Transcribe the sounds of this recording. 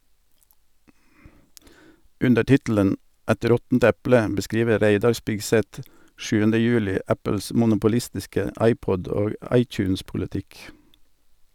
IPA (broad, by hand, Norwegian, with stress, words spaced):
ˈʉndə ˈtɪtl̩ən ˈɛt ˈɾɔtn̩t ˈɛplə bəˈskɾiːʋə ˈɾæɪdɑɾ ˈspɪɡˌsɛt ˈʃʉːəndə ˈjʉːlɪ ˈæpəls mʊnʊpʊˈlɪstɪskə ˈɑɪˌpɔd ˈoː ˈɑɪˌtjʉːnspʊlɪˌtɪk